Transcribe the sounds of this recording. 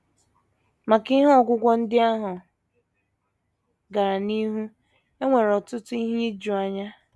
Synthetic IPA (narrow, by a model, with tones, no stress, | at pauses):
ma˨ki˦ɦɔ˦˨ɡʷʊ˦ɡʷɔ˦n̩˦dɪ˦a˦ɦʊ˨ | ɡa˨ɾa˨ni˦ɦu˦ | e˦ŋʷe˨ɾɔ˨tʊ˦tʊ˦i˦ɦi˦e˦d͡ʒu˨a˨ɲa˦